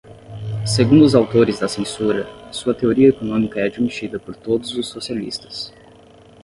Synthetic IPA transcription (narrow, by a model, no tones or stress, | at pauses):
seɡũnd̪ʊzawt̪oɾɪzd̪ɐsẽsuɾɐsuɐt̪eoɾiɐekonõmikɐɛad͡ʒimit͡ʃid̪ɐpoɾt̪od̪ʊzʊsːosialḭst̪ɐ̥s